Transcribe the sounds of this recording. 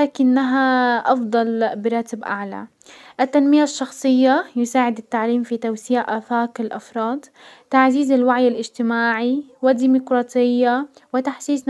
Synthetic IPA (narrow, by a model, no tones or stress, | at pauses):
laːkɪnːaɦaʔɑfd̪ˤɑlbɪɾˤɑːt̪ɪbʔa̰ʕla̰ | ʔɪt̪ːanmɪjaʃːɑxsˤɨjːajʊsaːʕɪd̪at̪ːaʕliːmfit̪awsiːʕʔaθaːqɪlʔɑfɾˤɑːd̪ | t̪aʕziːzɪlwaʕjɪlʔɪd͡ʒt̪ɪmaːʕiwɪd̪ːiːmʊkɾˤɑːt̪ʰˤɪjːawɪt̪aħsiːs